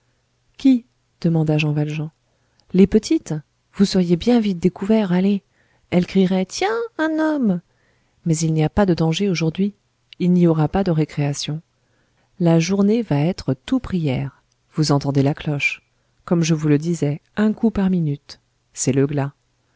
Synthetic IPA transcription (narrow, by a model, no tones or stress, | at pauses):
kʲi | d̪̥əmɑ̃d̪aʒɑ̃valʒɑ̃ | lepət̪ʰit̪ | vusəʁjebjɛ̃vit̪̚d̪ekuvɛʁale | ɛlkχiʁɛt̪jɛ̃ɛ̃nɔm | mɛzilniapad̪əd̪ɑ̃ʒeoʒuʁd̪ɥiː | lnioʁapad̪əʁekχeasjɔ̃ | laʒuʁnevaɛt̪χət̪upχijɛːʁ | vuzɑ̃t̪ɑ̃d̪elaklɔʃ | kɔmʒəvuləd̪izɛɛ̃kupaʁminyt̪ | sɛləɡla